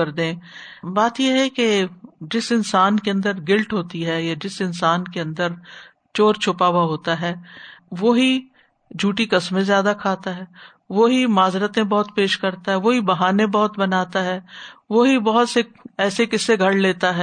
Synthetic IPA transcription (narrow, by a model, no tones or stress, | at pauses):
ɐɾd̪ẽːbaːt̪jeɦɛked͡ʒɪsɪnsaːnkeɐ̃nd̪əɾɡɪlʈɦoːt̪iɦɛjad͡ʒɪsɪnsaːnkeɐ̃nd̪əɾ | t͡ʃoːɾt͡ʃʰʊpaːwaɦoːt̪aɦɛːʋoːɦi | d͡ʒʱuːʈikɐsmẽzjaːd̪akʰaːt̪aɦɛː | ʋoɦimaːzɾət̪ẽbɐɦʊt̪peːʃkɐɾt̪aɦɛʋoːɦibɐɦaːnẽbɐɦʊt̪bɐnaːt̪aɦɛːʋoɦibɐɦʊt̪seɛːsekɪsːeɡʱɐɽleːt̪aɦɛː